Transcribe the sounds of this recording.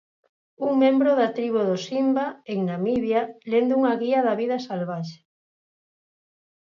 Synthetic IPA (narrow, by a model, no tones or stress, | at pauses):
uŋmẽmbɾoðat̪ɾiβuðosimbaeŋnamiβjalend̪ʊuŋaɣiɐðaβiðɐsalβaʃe̥